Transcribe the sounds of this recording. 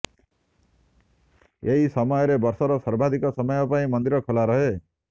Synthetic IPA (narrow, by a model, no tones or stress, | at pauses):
eɦisʌmɔjɔɾebʌɾsɔɾɔsʌɾbʱad̪ʱikɔsɔmɔjɔpaĩmʌnd̪iɾɔkʰolaɾʌɦe